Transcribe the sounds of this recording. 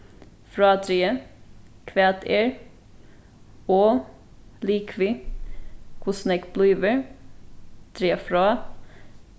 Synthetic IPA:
fɾɑːt̪ʰɾeːə | kʰʋɛːt̪ʰeːɹ | oː | liːkʰʋiː | kʰʊsnɛkblyːʋəɹ | t̪ʰɾeːfɾɑː

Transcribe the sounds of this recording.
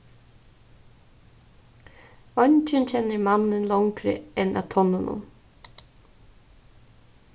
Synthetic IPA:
ɔɲt͡ʃɪnt͡ʃʰɛnːəɾmanɪnlaŋkɾə̰ɛnʔæ̰ːt̪ʰɔnːʊnʊ̰n

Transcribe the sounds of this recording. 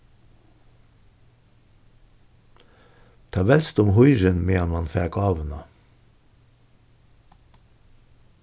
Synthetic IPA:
t̪ʰɑːʋɛlst̪ʊmhʊʏɾənmeːɑnmɑnfæːɡɑːʋənɑ̰ː

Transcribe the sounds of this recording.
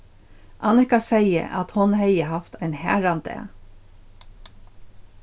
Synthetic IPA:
ʔɑnɪhkasɛjə̰ʔa̰t̪hʊnhɛjəhaft̪ʰaɪnhæ̰ːɹant̪ɛ̰

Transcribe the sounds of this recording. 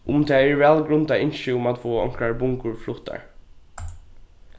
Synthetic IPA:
ʔʊmt̪ʰɛːɛɹʋælɡɾʉnd̪ɑɪnʃəʊmɑt̪foːɑ̰ŋkɹaɹbʊŋkʊɹflut̪a̰ɹ

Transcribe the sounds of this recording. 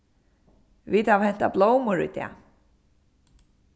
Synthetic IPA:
viːt̪havhɛn̥t̪abloːwmʊɾḭt̪ɛ̰a̰

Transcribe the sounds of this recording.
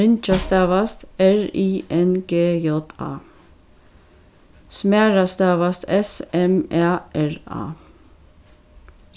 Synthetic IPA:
ɪnt͡ʃɑst̪ɑːʋɑst̪æɹiːʔɛnɡ̥eːjɔt̪ɑ̰ː | smæːɹɑst̪ɑːʋɑst̪ʰɛsɛmæːʔæɹɑ̰ː

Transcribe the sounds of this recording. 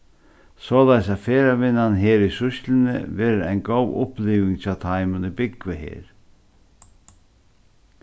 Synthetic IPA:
sɔːlajsaðfeːɾavɪnːanɦeːɾisʊst̪lɪnɪ̰vɛːɾɪɾa̰jnɡowʊ̰hpliːvɪŋt͡ɕʰaːwt̪ʰajmʏnibɪkvɪɦḛːɾ̥

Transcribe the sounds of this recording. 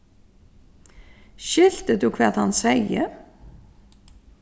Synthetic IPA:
ʃɪl̥t̪əd̪uːkʰvɛːt̪ha̰nsejə̰

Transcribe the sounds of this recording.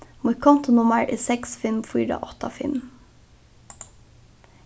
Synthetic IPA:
mʊkʰɔnt̪ʊnʊməɹʔɪsɛksfɪlmfiːɖɑ̰ʔɔt̪ɑfɪ̰lm

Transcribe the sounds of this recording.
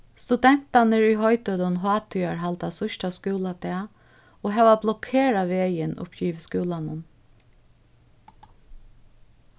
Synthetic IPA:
st̪ud̪ɛn̥t̪anəɹʏɦɔjt̪œd̪ɔnɦɑːt̪ʰyaɹɦalt̪asʊʃʈaskʉːlad̪ɛː | oːɦɛːʋablɔkʰeːɾaʋeːjɪnʊ̰pʰçiːʋskʉːlanʊn

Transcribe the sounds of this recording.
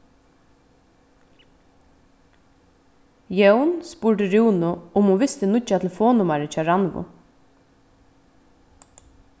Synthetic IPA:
jœwnspuɹʈɪɾuːnʊʊmɔʋɪst̪ɪnʊcːat̪ʰɪlfoːnʊmaɾət͡ʃɑːɾanvʊ̰

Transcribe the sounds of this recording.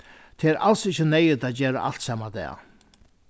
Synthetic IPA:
t̪ʰɪɛɾʔa̰lsɪçːənɛjɪt̪aːd̪d͡ʒeːɾa̰ʔa̰lt̪saːmad̪ɛ̰ː

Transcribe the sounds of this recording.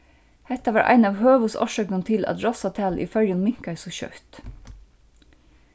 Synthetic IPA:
hɛt̪ɑʋɑːɾʔæ̰ɪnɑːʋhøːʋʉsɔ̰ʃøːkənt̪ʰɪlɑ̰t̪ɾɔsɑt̪ʰælʔḭːfœljənmɪŋkæsoːçœ̰ːt̪

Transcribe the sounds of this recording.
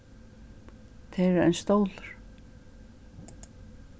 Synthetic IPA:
t̪ʰɛɾɛ̰jnst̪owlʏɾ̥

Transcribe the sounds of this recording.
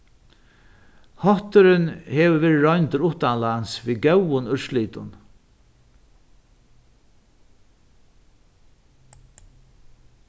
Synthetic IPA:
hɔht̪ʏɾɪnhɛːʋʏvɛːɾɪɾɔʏnt̪əɾʊht̪anlansviːɡœwʊnʏɹsliːt̪ʊ̰n

